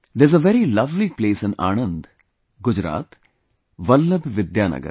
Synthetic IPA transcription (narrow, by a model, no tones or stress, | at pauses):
d̪ezəʋɛɾilɐʋlipleːsə̃na̰ːñə̃nd̪ | ɡʊd͡ʒɾa̰ːt̪ | ʋəlːəbʋɪd̪jaːnə̰ɡə̰ɾ